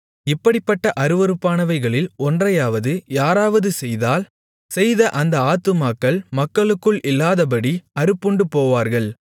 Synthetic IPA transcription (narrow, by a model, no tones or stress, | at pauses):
ɪpːɐɽɪpːɐʈːɐʔɐɾɯʋɐɾɯpːaːnɐʋɐɪɣɐɭɪlɔndrɐjaːʋɐðɯjaːɾaːʋɐðɯsɛjðaːl | sɛjðɐʔɐnd̪ɐaːt̪ːɯmaːkːɐɭmɐkːɐɭɯkːɯɭɪlːaːðɐb̬ɐɽiɐɾɯpːʊɳɖɯpoːʋaːɾɣɐɭ